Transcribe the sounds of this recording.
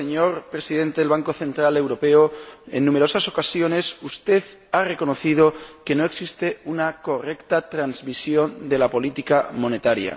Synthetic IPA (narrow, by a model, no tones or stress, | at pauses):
seɲoɾpɾe̞siðe̞nt̪e̞ðelβaŋko̞θe̞nt̪ɾale̞wɾo̞pe̞oe̞̰nːume̞ɾo̞saso̞kasjo̞ne̞sust̪e̞ð | are̞ko̞no̞θið̞o̞ke̞no̞e̞ksist̪e̞unako̞re̞kt̪at̪ɾanzmisjo̞nd̪e̞lapo̞lit̪ikamo̞ne̞t̪aɾja̰